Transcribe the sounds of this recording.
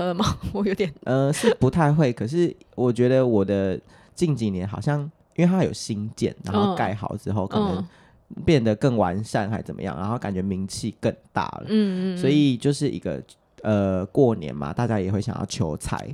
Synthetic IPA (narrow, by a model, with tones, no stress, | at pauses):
ə˧˩ma˨˩wɔ˨˩jo˧˥ʊt̪jɛ˨˩nʔə˧ʂɻ̩˥˩pu˧˥t̪ʰa˥˧ɪxwe˥˩ɪkʰə˨˩ʂ̬ɻ̩˥˩wɔ˨˩t͡ɕɥɛ˧˥d̪ə˧wɔ˨˩d̪ə˦ | t͡ɕi˥˩ŋt͡ɕi˨˩njɛ˧˦nxɑ˨ʊɕjɑ˥˩ŋ | i˥nwe˥˩t̪ʰa˥jo˨˩ʊɕi˥ŋt͡ɕjɛ̰˥˩nɻa̰˧˥nxo˥˧ʊka˥˩ɪxɑ̰˨˩ʊʈ͡ʂɻ̩˦xo˥˩ʊkʰə˨˩nə˧˦ŋ | pjɛ˥˩nd̪ə˩kə˥˩ŋwa˧˥nʂa˥˩nxa˧˥ɪt͡sə˨˩mə̰˧˦jɑ̰˥˩ŋnʔa˧˥nxo˥˩ʊka˨˩nt͡ɕɥɛ˧˥mi˧˥ŋt͡ɕʰi˥˧kə˥˧ŋt̪a̰˥˩lə̰˨˥˧swɔ˧˥i˨˩t͡ɕjo˥˧ʊʂɻ̩˥˩ʔḭ˧˥ɡə̰˧ | ə˨kwɔ˥˩njɛ̰˧˥nma̰˨˩t̪a˥˩t͡ɕja˥jɛ˨˩xwe˥˩ɪɕjɑ̰˨˩jɑ̰˥˩ʊt͡ɕʰjo˧˥ʊt͡sʰa̰˨˩˦ɪ